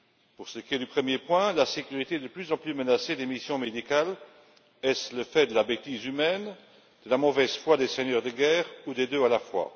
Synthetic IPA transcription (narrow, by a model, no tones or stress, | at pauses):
puʁsəkʲied̪ypχəmjepwɛ̃lasekʲyʁit̪eɛd̪əplyzɑ̃plymənased̪emisjɔ̃med̪ikal | ɛsləfɛd̪əlabet̪izymɛn | d̪̥əlamɔvɛzfwad̪ɛsɛɲœʁd̪əɡɛːʁud̪ɛd̪øalafwa̰